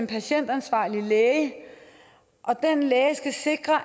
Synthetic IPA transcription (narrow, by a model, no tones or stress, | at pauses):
enpʰæɕen̰d̥ænsʋɑ̈ːlileːə | ʔɒ̽d̥enleːsɡ̥æse̝ɡ̥ʁɐ